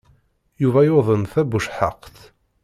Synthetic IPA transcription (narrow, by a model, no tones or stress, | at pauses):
juvæjoðˤənθæbuʃħəqːθ